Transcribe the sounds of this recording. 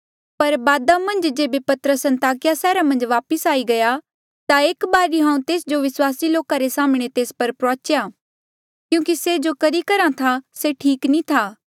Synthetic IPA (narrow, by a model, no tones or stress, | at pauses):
pɐɾbaːd̪amɐ̃nd͡ʒd͡ʒeːbepɐt̪əɾəsɐ̃nt̪aːkɪjasɛːɾamɐ̃nd͡ʒʋaːpəsaːiɡɐja | t̪aeːkbaːɾiɦãːũt̪eːsd͡ʒoʋɪswaːsiloːkaɾesaːmɽ̃et̪eːspɐɾpɾaːt͡ʃjaː | kjũːkised͡ʒokɐɾikɐɾat̪ʰaseʈʰiːknĩt̪ʰaː